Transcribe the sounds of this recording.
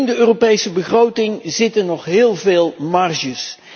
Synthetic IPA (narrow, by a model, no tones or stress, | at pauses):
ndəøːropejsəbəχrowtɪŋzɪtənɔχɦɪːlˠveːlˠmɑrʒəs